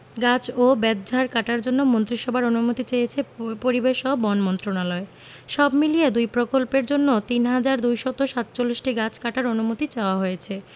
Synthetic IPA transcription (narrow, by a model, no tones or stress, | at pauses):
ɡat͡ɕobɛd̪̚d͡ʑʱaɾkaʈaɾd͡ʑonːomont̪ɾiʃɔbʱaɾonumut̪it͡ɕejet͡ɕʰepoɾibeʃɔbɔnmɔnt̪ɾonalɔe | ʃɔbmilied̪ujpɾokolpeɾd͡ʑonːot̪inɦad͡ʑaɾd̪ujʃɔt̪oʃat̪t͡ɕolːiʃʈiɡat͡ɕʰkaʈaɾonumut̪it͡ɕaoaɦojet͡ɕʰe